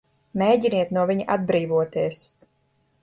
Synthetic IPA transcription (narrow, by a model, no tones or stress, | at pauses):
meːɟiniɛt̪nuɔvʲiɲʔad̪̚bɾiːvuɔt̪iɛs